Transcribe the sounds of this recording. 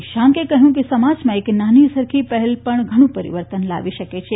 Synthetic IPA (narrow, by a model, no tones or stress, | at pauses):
ʃãŋkekəɦjũkesəmad͡ʒmãeknanisəɾkʰipəɦɛlpəɳɡʱəɽ̃ũpəɾḭʋəɾt̪ənla̰ʋiʃəket͡ʃʰe